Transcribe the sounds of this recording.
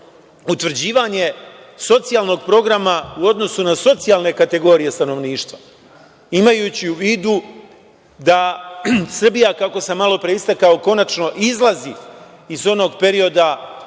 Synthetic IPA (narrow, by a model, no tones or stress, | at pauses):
ut̪ʋr̩d͡ʑiːʋaɲe̞ | so̞t̪sijalˠno̞ɡpɾo̞ɡɾamauo̞d̪no̞sunaso̞t̪sijalˠne̞kat̪e̞ɡo̞ɾije̞st̪ano̞ʋniːʃt̪ʋa | imajuːt͡ɕiuʋiːd̪u | d̪a | sr̩bijakako̞semalˠo̞pɾe̞ist̪akao̞ko̞nat͡ʃno̞ʔizlˠazi | izo̞no̞ːɡpe̞ɾio̞d̪a